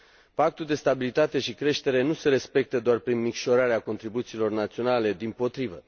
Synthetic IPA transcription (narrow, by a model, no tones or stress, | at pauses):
pak̚t̪uld̪e̞st̪abilit̪at̪e̞ʃikɾe̞ʃt̪e̞ɾe̞nuse̞ɾe̞spe̞k̚t̪əd̪oarpɾinmikʃo̞ɾaɾeako̞nt̪ɾibut̪siːlo̞rnat̪sio̞nale̞d̪impo̞t̪ɾivə̰